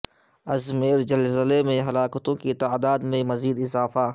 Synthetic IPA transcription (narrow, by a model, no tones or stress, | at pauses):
ɐzmeːɾd͡ʒɐlzəlemẽɦɐlaːkt̪õkit̪aːd̪aːd̪mẽmɐziːd̪ɪzaːfa